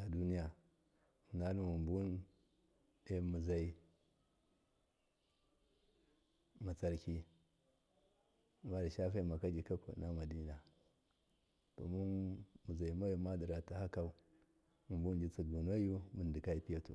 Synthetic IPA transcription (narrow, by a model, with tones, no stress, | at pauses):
a˨du˦ni˦ja˨ | mu˨na˦lu˦mu˨mbu˦n | e˨mu˨za˨i˨ | ma˨t͡sa˨ɾki˦ | ma˦di˨ʃa˦fa˦ma˨ka˦d͡ʒi˨ka˦kṵ˨na˦ma˨di˦na˨ | ta̰˨mu˦mu˨za˨i˨ma˦ju˨ma˦di˨ɾa˨ta˨ha˦ka˦u˦ | mu˨mbu˦nd͡ʒi˦t͡si˨ɡu˨no˦ju˦mu˨n˨di˨ka˦i˦pi˦ja˦tṵ˨